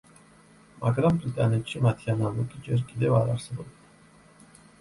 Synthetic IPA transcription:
mʔakɾambɾit̪ʼanɛt͡ʃʰːimat̪ʰjanalukʼid͡ʒɛɾkʼid̪ɛvaɾaɾsvɔl

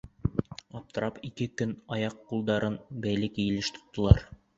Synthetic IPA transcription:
ɑp̚t̪ɤ̆ɾɑpikɘkɵnɑjɑqːulˠd̪ɑɾɤnbæjlɘkɘ̆jɘ̆lɘʃt̪ʰŏ̥t̪ːŏlˠɑ̰ɾ

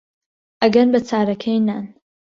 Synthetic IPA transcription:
ʔɐɡɐnbɐt͡sʰaːɾɐkʰejnaːn

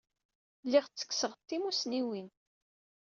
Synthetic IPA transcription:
lːiʁt͡sːə̥kːsəʁt̪ːimusniwin

